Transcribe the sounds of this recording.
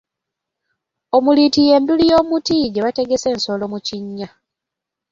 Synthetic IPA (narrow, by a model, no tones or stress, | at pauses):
o̞mulitije̞ːndulijo̞ːmutiɟeβate̞ɡe̞se̞ːnso̞lo̞muciɲːa